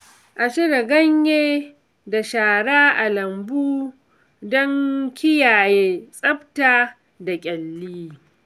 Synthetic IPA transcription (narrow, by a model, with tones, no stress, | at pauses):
ʔa˨ʃɪ˦ɽa˨ɡɐ˦ɲjeː˦ | da˨ʃaː˨ɽaː˦ʔa˨lɐ˨mbuː˦ | dɔ˦ŋkʲɪ˦jaː˨jeː˦sʼɐ˦btaː˦ | da˨kʲʼɛ˨lːiː˦